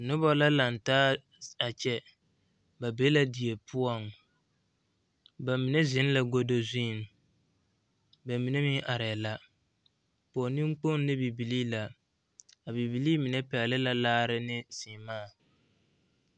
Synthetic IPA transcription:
nʊ˦bɔ˦la˦la˨n˨taː˦ | a˨t͡ʃɛ˦ | ba˨be˦la˦di˨e˨pʰʊ˦ɔ˦ŋ | ba˨mi˨nɛ˦zɪ˦n˦la˦ɡo˦do˦zĩː˦˨n˨ | ba˨mi˨ne˦mɪ˦ʔa˨ɾɛ˨la˨ | pɔː˨nĩ˦m˦k͡po˦n˦nɪ˦bi˨bi˨liː˦la˨ | a˨bi˨bi˨liː˦mɪ˨nɛ˦pɛ˨lɪ˦la˦laː˦ɾɪ˦nɪ˦sɪː˨maː˦˨

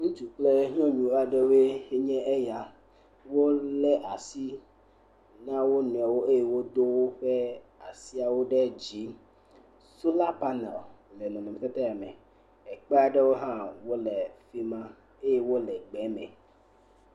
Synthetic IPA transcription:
ŋũ˦t͡ʃu˨k͡plɛ˦ɲɔ̃˦ɲũ˨˦a˨ɖe˦we˦e˦ɲɛ̃˦ʔɛ˦ja˨ | wo˦lɛ˦ʔa˨si˦ | nã˦wo˦nũ˨a˨wo˦e˦je˦wo˦do˦wo˦ɸɛ˦a˨si˦a˨wo˦ɖɛ˦d͡ʑi˨˦ | su˦la˦pa˦nɛ̰˨llɛ˨nɔ̃˨nɔ˨ɛ˨t̪ɛ˦t̪ɛ˦a˨mɛ̰̃˨ | ɛ˨k͡pɛ˦a˨ɖɛ˦wo˦ɦã˦wo˦lɛ˨fi˦mã˦ | e˦je˦wo˦lɛ˨ɡ͡bɛ˨˦mɛ̰̃˨

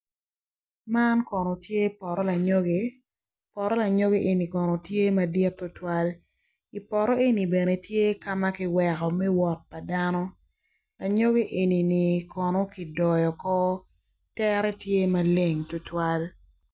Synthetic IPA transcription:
ma˦nkɔ˨no˨tje˦pɔ˨ɾɔ˦la˨ɲo˦ɡe˦ | pɔ˨ɾɔ˦la˨ɲo˦ɡe˦ʔe˨ni˨kɔ˨no˨tje˦ma˨di˦tːʊ˦twa˦l | i˨pɔ˨ɾɔ˦e˦ni˨be˨ne˨tje˦ka˦ma˦kɪ˨wɛ˨kɔ˨mɛ˦wɔ˨t̚pa˨da˦nɔ˦ | la˨ɲo˦ɡe˦ʔe˨ni˨ni˨kʰɔ˨nɔ˦ki˨dɔ˨jɔ˨kɔ˦ | tɛ˦ɾɛ˦tje˦ma˨le˦ŋtʊ˦twa˦l

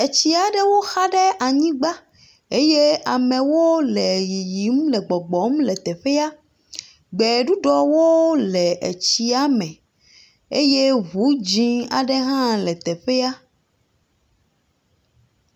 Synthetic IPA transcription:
e˨t͡ɕi˦a˨ɖe˦wo˦xa˦ɖe˦ʔa˨ɲĩ˦ɡ͡ba˦ | e˦je˦a˨mẽ˨wo˦lɛ˨ji˨ji˨˦mlɛ˨ɡ͡bɔ˨ɡ͡bɔ˨˦mlɛ˨t̪ɛ˨ɸe˦a˦ | ɡ͡bɛ˨ɖu˦ɖɔ˨wo˦lɛ˨ʔḛ˨t͡ɕi˦a˦mɛ̃˨ | e˦je˦ɦu˨˦d͡ʑĩ˦a̰˨ɖe˦ɦã˦lɛ˨t̪ɛ˨ɸe˦a˦

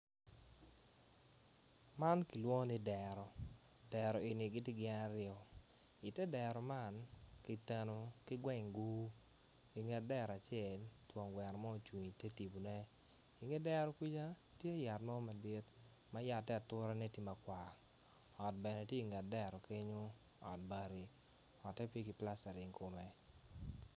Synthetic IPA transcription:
ma˦nki˨lwo˦nɪ˦dɛ˨ɾɔ˨ | d̥ɛ˨ɾɔ˨e˨ni˨ɡɪ˦ti˦ɡɪ˦na˦ɾɪjɔ˨ | i˨tɛ˦dɛ˨ɾɔ˨ma˦˨nki˨tɛ˨no˨kɪ˦ɡwɛ˦˨ŋɡu˦ | i˨ŋɡɛ˨tdɛ˦˨ɾa˨t͡ʃɛ˨ltwɔ˨ŋɡwɛ˨ɾmɔ˦˨t͡ʃwi˨ɲi˨tɛ˦ti˨bu˨nɛ˦ | i˨ŋe˦dɛ˦ɾɔ˨˦ki˦d͡ʒa˦ | tje˦a˦˨ja˨tnɔ˦ma˨de˦t | ma˦ja˨tːɛ˦a˨tʊ˦ɾa˦ne˦ti˦ma˨kwʷa˨ | ɔ˨t̚bɛ˨nɛ˨tje˦i˨ŋɡa˨t̚dɛ˦ɾɔ˨kɪ˦ɲo˦ | ɔ̰˨t̚ba˨ɾi˨ | ɔ˨tːɛ˦pje˦ki˨pla˦sa˨ɾi˨ŋkʰo˨mɛ˨

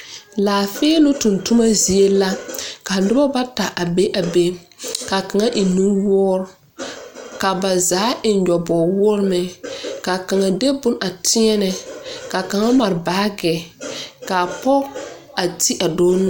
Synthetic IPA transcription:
laː˨feː˦nʊ˦tʊ˨ntu˦ma˦zi˨˦e˦la˦ka˨nɪ˦ba˦ba˦ta˨ʔa˨be˦ʔa˨be˦ | ka˨ka˨ŋa˦ʔɪ˨nu˦wʊː˦ɾ | ka˨ba˨zaː˨˦ʔɪ˨nɲɔ˨bɔː˨wʊː˦ɾmɛ˨ka˨ka˨ŋa˨de˦bʊ˦na˨tʰɪ˦ɛ˦nɛ˨ka˨ka˨ŋa˦ma˨ɾbaː˦ɡɛ˨ka˨pɔ˦ | a˨ti˦ʔa˨doː˦nʊ˦

